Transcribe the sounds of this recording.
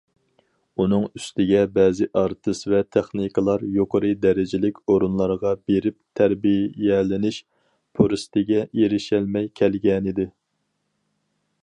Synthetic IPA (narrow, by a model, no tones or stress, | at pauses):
unɨŋyst̪ɪɡʲɛbɛːzɪʔɑɾt̪ʰɨsvɛt̪ʰɛχnikəlˠɑɾjoqʰəɾɨd̪ɛɾɪd͡ʒɪlɪkʲoɾunlˠɑɾʁɑbeɾɪp̚t̪ʰæɾbijɛlɪnɪʃ | pʰoɾɨst̪ɪɡʲɛeɾɪʃɛlmɛjkʲʰɛlɡʲɛnɪd̪ɪ